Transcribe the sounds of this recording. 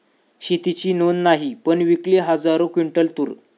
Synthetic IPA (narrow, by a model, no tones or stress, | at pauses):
ɕit̪it͡ɕiːnonːaɦipəɳʋikleɦəd͡zaɾokʋiɳʈəlt̪uːɾ